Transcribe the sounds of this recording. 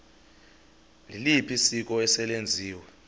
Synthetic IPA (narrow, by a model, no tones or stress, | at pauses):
lilipʰisik̬ʼɔɛsɛlend͡zʱiːwɛ